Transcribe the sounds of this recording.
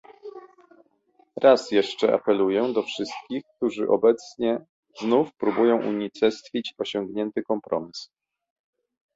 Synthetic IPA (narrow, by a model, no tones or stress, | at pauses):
ɾʔasjɛʂt͡ʂɛʔa̰pɛlujɛd̪ɔfʂɘst̪̚kʲixk̚t̪uʐɘʔɔbɛt̪sɲɛ | znufpɾubujɔ̃w̃ʔṵɲit͡s̪ɛst̪fʲit͡ɕɔɕɔŋɡɲɛnt̪ɘkɔmpɾɔmʲis